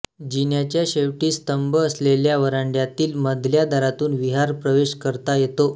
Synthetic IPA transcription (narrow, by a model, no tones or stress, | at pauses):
d͡ʑinjat͡ɕjaɕeʋʈiːst̪əmbəːsleljaʋəɾaɳɖjat̪iːlməd̪ʱljad̪ʱaɾat̪uːnʋiɦaɾpɾəʋeɕkəɾt̪ajet̪o